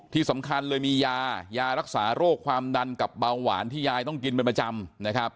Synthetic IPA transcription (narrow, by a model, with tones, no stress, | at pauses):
t̪ʰiː˧˥˩sa˩˦mkʰa˧nlɤː˧jmiː˧jaː˧jaː˧ɾa˦˥k̚saː˩˦ɾoː˥˩kʰːwaː˧mda˧nka˨˩p̚baː˧ŋwa̰ː˩˦nt̪ʰiː˥˩jaː˧jt̪ɔ˥˩ŋki˧np̬e˧npɾa˧t͡ɕa˧mna˦˥kʰɾa˦˥p̚